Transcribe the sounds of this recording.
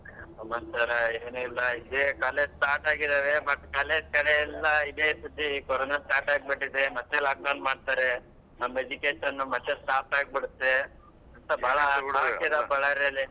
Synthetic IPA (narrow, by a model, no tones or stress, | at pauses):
ɐmɐnt̪ɐɾɐeːnuilːɐid̪ekaːleʈaːɾʈaːɡid̪aːʋemɐʈːkaːleːd͡ʒkɐɽeɛlːɐid̪esut̪ːikɔɾoːnasʈaːɾʈaːɡ̚bɐʈːid̪emɐt̪ːelakːɐwnmaːɖ̚t̪aːɾe | nɐmːed͡ʒikeːʈɐnːumɐt̪ːesʈaːpaːɡ̚biɽut̪ːe | ɐnt̪ɐbʱaːɭɐaːkid̪ɐpɐɭɐɾɐlːi